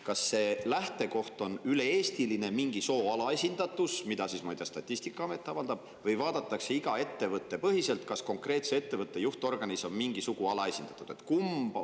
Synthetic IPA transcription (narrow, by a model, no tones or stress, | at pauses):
kɑsːe̞læht̪e̞ko̞ht̪o̞nyle̞e̞ːst̪iline̞miŋɡiso̞ːɑlɑe̞sʲind̪̥ɑt̪ːˑusmid̪ɑsismɑjd̪̥ʲjɑst̪ɑt̪ʲːˑisʲt̪ikːˑɑɑme̞t̪ːˑɑvɑld̪̥ɑb̥̚ | vɤjvɑːd̪̥ɑt̪ːˑɑkse̞iɡ̥ɑe̞t̪ːe̞vɤt̪ːe̞pɤɦise̞lt̪kɑsko̞ŋkre̞ːt̪se̞e̞t̪ːe̞vɤt̪ˑːe̞juht̪o̞rɡ̥ɑniso̞nmiŋɡisuɡ̥uɑlɑe̞sʲind̪̥ɑ̥t̪ːˑud̪̥e̞t̪kumb̥